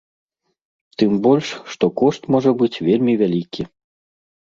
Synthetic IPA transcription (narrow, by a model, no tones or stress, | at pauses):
t̪ɨmbɔlʲʂːt̪ɔkɔʂt̪mɔʐɐbɨt͡sʲvʲelʲmʲivʲalʲikʲʰi